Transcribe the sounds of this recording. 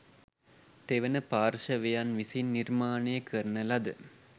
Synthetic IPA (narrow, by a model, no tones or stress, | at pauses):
t̪eʋɐnɐpaːrʃɐʋejanʋisinːirmaːnɐjəkʰərnɐlɐd̪ɨ̰